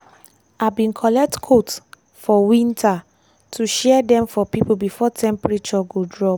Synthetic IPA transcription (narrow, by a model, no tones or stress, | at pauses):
abĩnkʰɔlɛk̚tkʰot | fɔwĩntʰa | tʰuʃɛdɛ̃mfɔpipubifɔtʰɛ̃mpɹit͡ʃɔɡodɹɔ